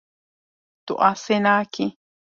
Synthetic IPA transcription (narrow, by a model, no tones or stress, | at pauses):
t̪uʔasenãki